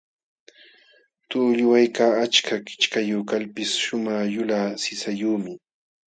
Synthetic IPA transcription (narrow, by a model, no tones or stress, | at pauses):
t̪ʊːʎʊwajkaːat͡ʃkʰakɪ̥t͡ʃkajuːkalpɪsʃʊmaχjʊlaːsɪsajuːmɪ